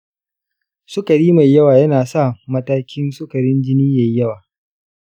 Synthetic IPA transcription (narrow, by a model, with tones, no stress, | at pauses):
sʊ˦kɐ˨ɽiː˦ma˨jjɐ˦waː˨jɐ˦naː˨sa˦˨mɐ˦taː˦kʲɪ˦nsʊ˦kɐ˨ɽɪ˦nd͡ʒɪ˦niː˦ja˨jjɐ˦waː˨